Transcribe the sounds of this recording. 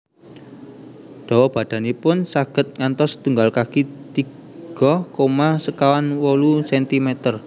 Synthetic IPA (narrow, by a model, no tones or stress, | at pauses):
ɖ̥ɔ̤wɔb̥ä̤d̪̥a̤nipʊnsaɡ̥ə̤t̪̚ŋant̪ɔsd̪̥uŋɡalkakit̪i | ɡ̥ɔhkomasəkawanwɔlusɛnt̪imɛt̪ər